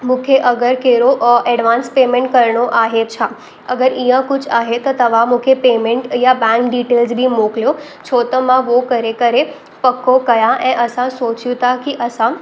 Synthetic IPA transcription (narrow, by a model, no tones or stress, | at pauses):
mũkʰeʔəɡəɾkeɾoʔɛɖʋaːnspemẽɳʈ̚kəɾɳoʔaɦet͡ʃʰa | əɡəɾĩjãkʊt͡ʃʰaɦet̪ot̪əʋamũkʰepeːmẽɳʈjabãŋɡɖiʈeːlzbʱimokljo | t͡ʃʰoːt̪mãʋokəɾekəɾe | pəkːokəjãʔẽʔəsãsoːt͡ʃjũt̪akiʔəsã